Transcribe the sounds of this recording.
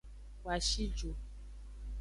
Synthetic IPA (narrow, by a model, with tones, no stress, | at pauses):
kwa˨ʃi˦d͡ʒo˨